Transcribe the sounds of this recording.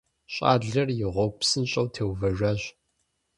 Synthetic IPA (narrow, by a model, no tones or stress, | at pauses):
ɕʼa̰ːɮɐrjɪʁʷɔɡ̚ʷpsɨnɕʼɐwtʰeːwvɐʒʷɐʑ